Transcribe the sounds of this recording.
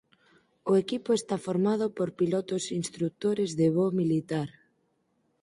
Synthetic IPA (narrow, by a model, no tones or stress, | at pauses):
ʊekipoest̪afoɾmað̞ʊpoɾpilɔt̪ʊsinst̪ɾuk̚t̪oɾezðeβomilit̪aɾ